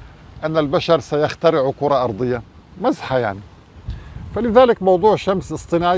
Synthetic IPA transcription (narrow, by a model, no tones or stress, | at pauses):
ʔanːalbaʃɑɾˤsajaxt̪aɾɪʕʊkʊɾˤɑʔɑɾˤd̪ˤɨjːa | mazħajaʕni | falɪðaːlɪkmɑwd̪ˤuːʕʃamsʔɨsˤt̪ˤɨnaːʕ